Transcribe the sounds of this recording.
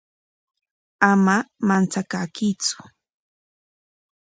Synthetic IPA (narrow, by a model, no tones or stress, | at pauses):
amamant͡sakakit͡sʊ̥